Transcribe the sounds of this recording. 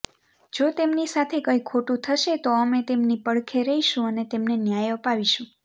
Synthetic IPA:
d͡ʒot̪emnisat̪ʰekəikʰoʈũt̪ʰəʃet̪oəmet̪emnipəɽkʰeɾəiʃũənet̪emnenjajəpaʋiʃũ

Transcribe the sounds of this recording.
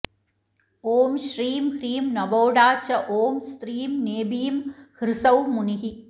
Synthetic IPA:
oːmʃɾiːmhɾiːmnɐboːɽaːt͡ʃɐʔoːmst̪ɾiːmneːbijmhɾɪsɐwmʊnɪɦi

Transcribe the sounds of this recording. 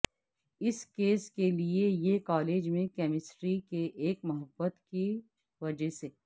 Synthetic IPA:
ɪskeːskeliejekaːleːd͡ʒmẽkɛːmɪsʈɾikeʔeːkmɐɦəbːət̪ki | ʋɐd͡ʒəseː

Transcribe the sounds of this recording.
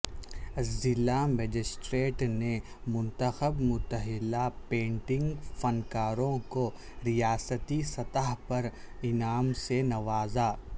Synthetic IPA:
ɐzɪlːaːmeːd͡ʒɪsʈɾeːʈne | mʊ̃nt̪əxəbmʊt̪əɦɪlapẽːɳʈɪ̃ŋɡfɐnkaːɾõko | ɾijaːsət̪isɐt̪əɦpɐɾ | ɪnaːmsenɐʋaːzaː

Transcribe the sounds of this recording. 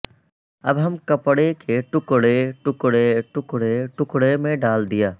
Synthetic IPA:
ɐ̰bɦɐmkɐpɽekʰeʈʊkɽeʈʊkɽeʈʊkɽeʈʊkɽemẽɖaːld̪ijaː

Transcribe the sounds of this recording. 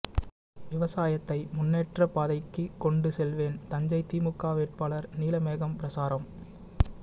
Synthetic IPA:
ʋɪʋɐsaːjɐt̪ːɐɪmʊnːeːʈrɐpaːðɐɪkːɯkːɔɳɖɯsɛlʋeːnt̪ɐɲd͡ʒɐɪt̪iːmɯkːaːʋeːʈ̚paːlɐɾniːlɐmeːɣɐmpɪɾɐsaːɾɐm

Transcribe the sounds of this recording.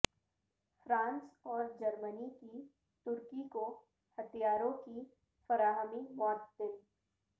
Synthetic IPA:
fɾãːnsɔːɾd͡ʒɐɾməniki | t̪ʊɾkiko | hɐt̪ʰijaːɾõki | fɐɾaːɦəmimɔːt̪̚d̪ɪl

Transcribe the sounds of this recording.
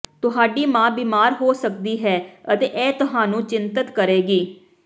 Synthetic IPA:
t̪ʊɦaːɖiːmãːbiːmaːɾɦoːsək̚d̪iːɦɛːət̪eːʔɛːt̪ʊɦaːnũːt͡ʃɪnt̪ət̪kəɾeːɡiː

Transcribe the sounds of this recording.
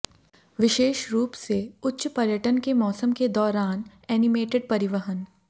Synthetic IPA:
ʋɪʃeːʃɾuːpseʊtːʃpɐɾjəʈənkemɔːsəmked̪ɔːɾaːn | ɛːnɪmeːʈɪɖ̚pɐɾɪʋəɦən

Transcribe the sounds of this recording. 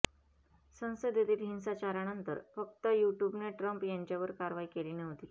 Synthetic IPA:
sə̃w̃səd̪jet̪iːt̪ɦinsat͡ɕaɾanənt̪əɾfək̚t̪əjuʈjubneʈɾəmpjaɲt͡ɕaʋəɾkaɾʋaikeliːnəɦot̪i

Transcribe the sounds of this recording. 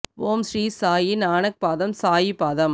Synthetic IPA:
ʋoːmsriːsaːjinaːnɐk̚paːðɐmsaːjipaːðɐm

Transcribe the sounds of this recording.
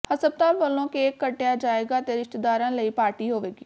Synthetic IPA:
həsəb̚t̪aːʋəlːõːkeːkːəʈːejaːd͡ʒaːeːɡaːt̪eːɾɪʃʈ̪d̪aːɾãːləiːpaːɾʈiːɦoːʋeːɡiː

